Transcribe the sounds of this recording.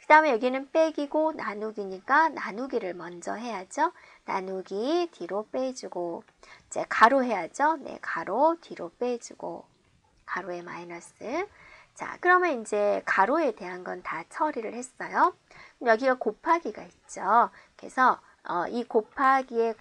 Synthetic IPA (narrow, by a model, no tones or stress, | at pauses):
kɯdaɦɯmejʌɡinɯnp͈e̞ɡiɡonanuɡiɲik͈ananuɡiɾɯɭmʌnd͡ʑʌɦe̞jad͡ʑonanuɡitʰiɾop͈e̞d͡ʑuɡo | id͡ʑe̞̰kaɾoɦe̞jad͡ʑonḛkaɾotiɾop͈e̞d͡ʑuɡo̰ | kaɾoe̞ma̰inʌs͈ɯ | t͡ɕa̰kɯɾʌmjʌnind͡ʑe̞kaɾoe̞te̞ɦanɡʌntat͡ɕʰʌɾiɾɯɭhe̞s͈ʌjo | jʌɡiɡakopʰaɡiɡait̚t͡ɕ͈o | ke̞̰sʰʌ | ʌikopʰaɡie̞